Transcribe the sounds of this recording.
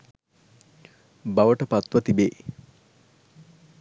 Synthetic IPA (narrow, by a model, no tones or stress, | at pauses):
baʋəʈəpat̪ʋət̪ibeː